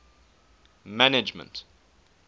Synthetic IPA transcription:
mænɪd͡ʒmə̰̃nt

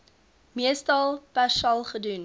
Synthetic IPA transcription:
miəstɐlˠpæʃɐlˠχədun

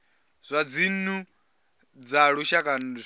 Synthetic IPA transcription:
z̥ʷad͡zinu | d͡zaɺuʃakʼan

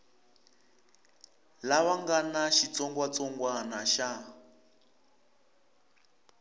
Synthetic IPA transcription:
laβaŋɡanaʃit͡sɔŋɡwat͡sɔŋɡwanaʃa

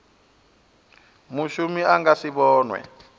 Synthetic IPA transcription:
muʃumiaŋɡasiɓɔːnwɛ̰

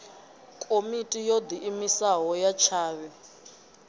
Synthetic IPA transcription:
kʼomitʼijod̪iʔːmisaɦɔjat͡ʃʰaːβɛ

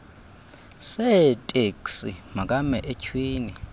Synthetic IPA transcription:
sɛtʼeksḭmakʼamɛʔɛcʰwiːni

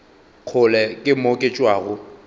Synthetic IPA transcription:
q͡χʰʊlɛkʼɪmokʼet͡ʃʼwaːɣʊ

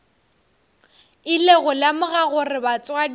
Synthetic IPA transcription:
ɪleɣʊlamʊɣaɣʊrɪbat͡sʼwa

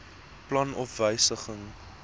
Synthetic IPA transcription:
plɐnɔfvəjsəχəŋ

